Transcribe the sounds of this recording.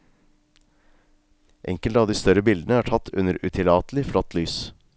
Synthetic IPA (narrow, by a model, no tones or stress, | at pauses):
ʔɛŋkəlt̪əɑːʋd̪iːst̪œɾəbɪld̪ən̩əæːʈʰɑt̪ʰːʉ̰nəɾʉt̪ʰɪlɑːt̪lɪflɔt̪lyːs